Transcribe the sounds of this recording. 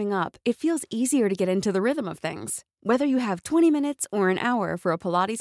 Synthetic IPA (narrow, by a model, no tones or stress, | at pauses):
ɪ̃ŋʌpɨtfilˠziziə˞ɾɨɡɛɾɪ̃ntʉðɨɹɪðə̃mʌv̥θɪ̰̃ŋz̥ | wɛðə˞jɨɨv̥tʰw̥ɛ̃ɾ̃imɪ̃ñɨtsə˞ɨ̃nʔa̰ʊə̰˞fə˞əpʰəlɑɾi